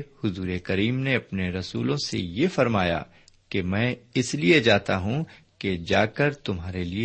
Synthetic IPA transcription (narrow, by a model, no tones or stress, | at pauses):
hʊzuːɾekɐɾiːmneɐpneɾɐsṵːlõsḛjefɐɾmaːja̰ː | kemɛ̃ːɪslied͡ʒaːt̪aɦũ | ked͡ʒaːkəɾt̪ʊmɦaːɾelie